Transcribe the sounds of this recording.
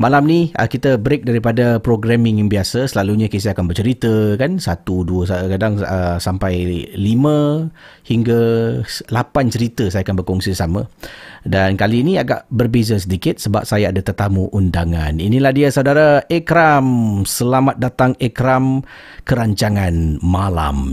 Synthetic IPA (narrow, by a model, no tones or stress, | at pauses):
malamniə̰kit̪əbɾek̚daɾipadapɾoɡɾamɪ̃ŋŋbiasasəlaluɲakes̬iakanbərt͡ʃəɾit̪əkansat̪uduəsakadaŋəsampajlimə̃ | hiŋɡa | lapant͡ʃəɾit̪əsajakanbərkɔŋsisamə̃dankaliːniaɡa̰ʔbərbezasədikɪt̪̚səba̰p̚sajaadat̪ərt̪amuʔundaŋaninilahdiasaudaɾaekɾamsəlamat̪̚dat̪aŋɛkɾam | kəɾaɲt͡ʃaŋãnmala̰m